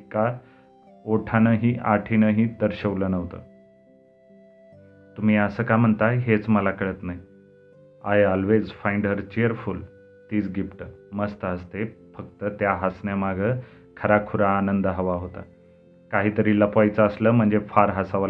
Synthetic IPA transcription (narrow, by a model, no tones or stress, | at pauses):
ka | oʈʰanəɦiːʔaʈʰinəɦiːd̪əɾɕəʋləːnəʋt̪ə̰ː | t̪um̤iːəsəːkam̤əɳt̪aɦet͡sməlakəɭət̪naɦi | ajɔlʋed͡zfajiɳɖəɾt͡ɕiəɾful | t̪iːt͡sɡipʈəməst̪əɦəst̪efək̚t̪ət̪jaɦasnjamaɡʱə | kʰəɾakʰuɾaːnənd̪əɦəʋaɦot̪a̰ | kaɦiːt̪əɾiːləpʋajt͡səːsləːm̤əɳd͡zefaɾɦasaʋl